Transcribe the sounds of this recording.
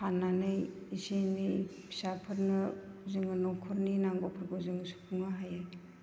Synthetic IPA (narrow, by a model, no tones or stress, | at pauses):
hanːanɯj | isenijbʰi̥sapʰɯɾnɯzɯŋɯnɔkʰɔɾninaŋɡɔpʰɔɾɡozɯŋɯsu̥pʰuŋaɦajaj